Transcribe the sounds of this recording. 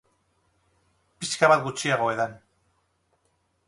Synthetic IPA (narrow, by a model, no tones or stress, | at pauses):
piskaβat̪ɡut͡ʃiaɣo̞e̞ðan